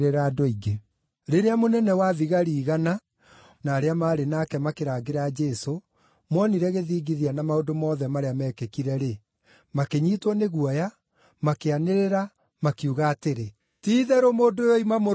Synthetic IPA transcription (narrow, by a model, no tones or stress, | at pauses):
ɾeɾadoiɡe | ɾeɾeamonɛnɛwaðiɣaɾiːɣana | naːɾeamaːɾenaːkɛmakeɾaːɡeɾad͡ʒɛso | mwɔniɾɛɣeðiːɡiðianamaodomɔːðɛmaɾeamɛkekiɾɛɾe | makeɲiːtwɔneɣwɔja | makeaneɾeɾa | makiuɣaːteɾe | tiːðɛɾomoːdojoimamo